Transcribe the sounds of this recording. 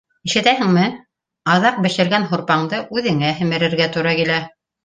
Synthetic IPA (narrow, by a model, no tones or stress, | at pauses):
ĭʃɘ̆t̪æhɘ̆ŋmɘ | ɑðɑq̚bɘ̆ʃɘ̆ɾɡænɦoɾpɑɴd̪ɤʔʉðɘ̆ŋæɦɘ̆mɘ̆ɾɘ̆ɾɡæt̪uɾɑkilæ